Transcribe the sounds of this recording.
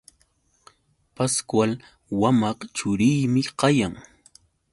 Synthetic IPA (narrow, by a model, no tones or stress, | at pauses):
paskwal | wamɑqt͡ʃʊɾɪjmɪqɑjaŋ